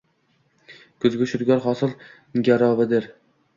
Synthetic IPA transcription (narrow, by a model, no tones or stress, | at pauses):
kʰɵzɡʲɪʃʊɾɡʲɒɾχɒsɨlˠ | ɡʲaɾɒvɪd̪ɪɾ